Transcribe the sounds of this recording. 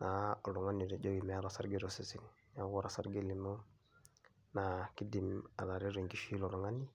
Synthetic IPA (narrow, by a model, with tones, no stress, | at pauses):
na˨o˨lɔ˨ŋa˦ni˨ɾe˨d͡ʒo˦wi˨mɛ˨a˦ɾa˨sa˦ɾɡi˦ɾo˨si˨si˦n | ɲa˦ɡɔ˦˨ɾa˨sa̰˦ɾɡe˦li˨mo˦ | na˨ki˦di˨ma̰˨la˨ɾi˦ɾi˨ŋɡi˦ʃi˦lo˨lɔ˨ŋa˦ni˦